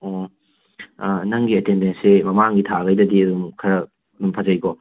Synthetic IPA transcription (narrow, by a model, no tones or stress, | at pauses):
o | nɐŋɡiɐtendensemɐmaŋɡitʰaɡɐjdɐdiɐdumkʰɐɾɐ | ɐdumpʰɐzɐjkɔ